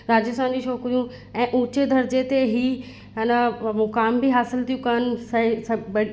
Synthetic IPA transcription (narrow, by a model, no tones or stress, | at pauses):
ɾaːd͡ʑəst̪ʰãːnd͡ʑĩʃoːkɾijũ | ɛ̃ːʔũːt͡ɕed̪ʱɐɾd͡ʑet̪eɦi | ɦɪnəmʊkaːmbiɦaːsɪlt̪ʰijũkɐnɪ̆sɐsɐbɐ